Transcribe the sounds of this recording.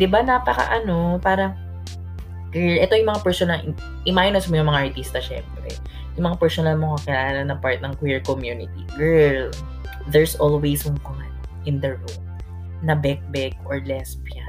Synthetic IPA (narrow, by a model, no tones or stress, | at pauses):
d̪ɪbanɐpɐkɐ̰ʔɐno̞paːɾɐ | kwiɹʔɛt̪ojʊŋmɐŋapɛɹsonɐl | ʔɪmajnosmojʊŋmɐŋaʔɐɹt̪ist̪ɐʃɛ̰mpɾɛ̰ | jʊŋmɐŋapɛɹsonɐlmoŋkɐkɪlaːlɐnɐpaɹt̪̚nɐŋkwiɹkomjunɪt̪iɡɛɹl | d̪ɛɹsʔolwejsʊŋko | n | ʔɪnd̪ɐɹol | nɐbɛk̚bɛɡ̚ʔoɹlɛspja